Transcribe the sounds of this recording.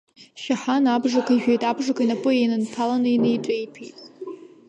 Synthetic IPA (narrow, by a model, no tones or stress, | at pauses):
ʃaħanabʐakʷʰaiʒᶣejtʼabʐakʷʰainapʼɨenɨnpʰalanɨinɨjtʷʼejpʰejtʼ